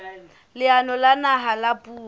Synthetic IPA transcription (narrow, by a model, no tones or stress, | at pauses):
lɪanɔlanaɦalapʼuː